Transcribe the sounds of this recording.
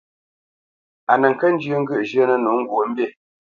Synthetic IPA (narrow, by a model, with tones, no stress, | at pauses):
a˨nə˨ŋ̩˨kə˦n˦d͡ʒə˦ŋ̩˦ɡʉ˦ʔʒə˦nə˨nu˨˦ŋ̩˦ɡwo˨˦m̩˦be˦˨